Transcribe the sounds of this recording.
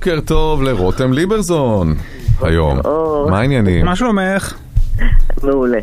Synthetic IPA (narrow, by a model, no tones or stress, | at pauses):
keʁt̪ovleʁot̪emlibeʁzon | ha̰jo̰mmaːinjanḭmmaʃuomeχ | meule